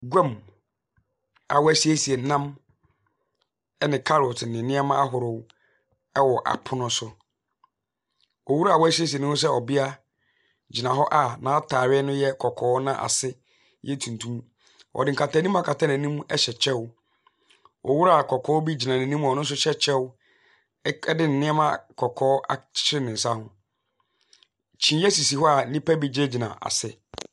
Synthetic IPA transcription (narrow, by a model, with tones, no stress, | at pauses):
ɡʷã˦m | a̰˨wɔ˦æ˦si˦e˦si˨ɛ˨nã˦m | ɛ˦nɪ̃˨kʰa˦ɾɔ˨tʰnɪ̃˨nɪ̃˦a˦mã˦a˦ɦʊ˨ɾʊ˨w | ɛ˦wɔ˨ʔa̰˨pʰʊ˦nʊ̃˦sʊ˦ | ɔ˨wu˦ɾa˨wɔ˦æ˦si˦æ˦s̬i˨ɛ˨nʊ̃˦s̬ɛ˦ɔ˨bɪ˦a˦ | d͡ʑi˨nã˨ɦɔ˦ʔa˦nã˨˦a˦tʰaː˨ɾɪ˦ɛ˦nʊ̃˦jɛ˦kʰɔ˨kʰɔː˦nã˦ʔa̰˨sɪ˦ | jɛ˦tʰũ˨n˨tʰũ˦m˦ | ɔ̰˨dɪ˨ŋ̩˨kʰa˨tʰa˨˦nĩ˦m˦a˦˨kʰa˨tʰa˦næ̃˨nĩ˦m˦ɛ˦ɕɛ˨t͡ɕʰɛ˦wʊ˦ | ɔ̰˨wu˦ɾa˨kʰɔ˨kʰɔː˦bi˦d͡ʑi˨nã˨næ̃˨nĩ˦m˦ɔ̃˨nʊ̃˦n̩˦s̬ʊ˦ɕɛ˦t͡ɕʰɛ˦wʊ˦ | ɛ˦dɪ˦n̩˨nɪ̃˦ɛ˦mã˦kʰɔ˨kʰɔː˦a̰̥˨t͡ɕʰɪ˦ɾɪ˦nɪ̃˨n̩˨sa˦hʊ̃˦ | t͡ɕʰĩ˨˦jɛ˦si˨si˨hɔ˦a˨˦nĩ˦pɛ˦bi˦d͡ʑe˦d͡ʑi˨nã̰˨ʔa̰˨sɪ˦